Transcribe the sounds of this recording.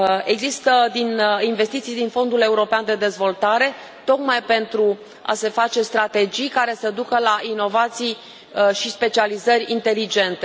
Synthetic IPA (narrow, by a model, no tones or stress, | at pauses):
e̞ɡzist̪əd̪ininve̞st̪it̪sijd̪info̞nd̪ule̞uɾo̞peand̪e̞d̪e̞zvo̞lt̪aɾe̞ | t̪o̞kmajpe̞nt̪ɾu | a̰se̞fat͡ʃe̞st̪ɾat̪e̞d͡ʒijkaɾe̞səd̪ukəlaino̞vat̪sij | ʃispe̞t͡ʃializərʲḭnt̪e̞lid͡ʒe̞nt̪e